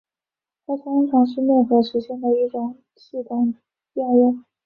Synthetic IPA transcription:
t̪ʰa˥t̪ʰʊ˥ŋʈ͡ʂʰɑ˧˥ŋʂɻ̩˥˧mjɛ˥˩nxɤ˧˥ʂɻ̩˧˥ɕjɛ˥˩nd̪ə˩i˥˩ʈ͡ʂʊ˨˥˩ŋ | ɕi˥˩t̪a˥˩ŋ | ja˥˧ɻɛ˥˩n

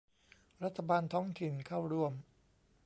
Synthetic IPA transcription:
ɾa˦˥t̪ʰːa˧baː˧nt̪ʰɔː˦˥ŋt̪ʰi˨˩nkʰa˥˩wɾu˥˩əm

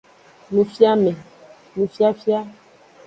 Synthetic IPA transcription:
nũ˨fja˦mɛ̃˨ | nũ˨fja˦fja˦

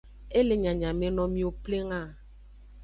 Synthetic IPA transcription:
e˦le˨ɲã˨ɲã˨me˦nɔ̃˨mĩ˦o˨ple˦ŋa˦˨

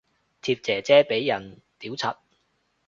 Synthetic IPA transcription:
t̪ʰiː˧p̚t͡sɛː˨˩t͡sɛː˥pe˨˥jːɐ˨˩n | t̪iː˨˥wt͡sʰɐ˨˩t̚

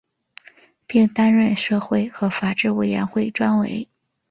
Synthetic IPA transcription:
pi˥˩ŋt̪a˥nɻə˥˧nʂɤ˥˧xwe˥˩ɪxɤ˧˥fa˨˩ʈ͡ʂɻ̩˥˩we˨˩ɪɥɛ̰˧˥nxwe˥˩ɪʈ͡ʂwa˥nwḛ˧˥ɪ

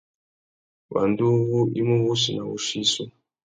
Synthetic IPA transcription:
wa̰˨ndu˦βu˦ʔi˦mu˦βu˦si˨na˨βṵ˨ʃiː˦sɔ˦

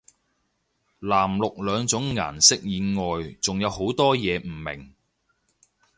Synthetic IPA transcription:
laː˨˩mlʊ˨k̚lœː˨˧ŋt͡sʊ˨˥ŋŋa̰ː˨˩nsɪ˥k̚jiː˨˧nŋɔː˨jt͡sʊ˨ŋjɐ˨˧who˨˥wt̪ɔː˥jɛː˨˧m̩˨˩mɪ̰˨˩ŋ

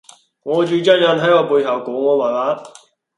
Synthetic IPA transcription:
ŋɔː˨˧t͡ʃyː˨˧t͡ɕɐ˥t̚jɐ˨˥nʰɐ˨˥jɔː˨˧puː˧jhɐ˨wkɔː˨˥ŋɔː˨˧maː˨˩laː˨˧˥

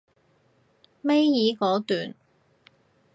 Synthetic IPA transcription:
me˥jjiː˨˥kɔː˨˥t̪yː˨˩n

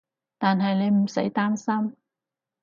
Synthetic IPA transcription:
t̪aː˨nɦɐ˨jne˨˧jm̩˨˩se˨˥jt̪aː˥msɐ˥m

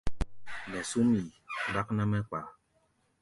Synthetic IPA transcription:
nɛ˨su˦mi˨ba˦k̚na˦mɛ˦k͡pa˨

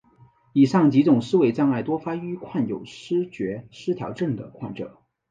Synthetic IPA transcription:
i˨˩ʂɑ˥˩ŋt͡ɕi˧˥t͡sʊ˨˩ŋʂɻ̩˥we˧˥ɪt͡sɑ˥ŋa˥˩ɪt̪wɔ˥fa˥y˥kʰwa˥˩njo̰˨˩ʊʂɻ̩˥t͡ɕɥɛ˧˥ʂɻ̩˥t̪ʰjɑ̰˧˥ʊʈ͡ʂɤ˥˩ŋd̪ə̰˩kʰwa˥˩nʈ͡ʂɤ̰˨˩˦

